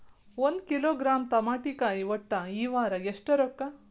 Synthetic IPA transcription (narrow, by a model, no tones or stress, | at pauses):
ond̪kiloːɡɾaːmt̪ɐmaːʈikaːjiʋɐʈːɐiːʋaːɾɐjeʂʈɐɾokːɐ